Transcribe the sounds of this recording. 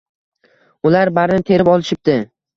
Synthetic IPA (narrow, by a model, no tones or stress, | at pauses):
ʊlaɾbaɾnɪt̪ʰe̞ɾɪpɒlˠɪʃɪp̚d̪ɪ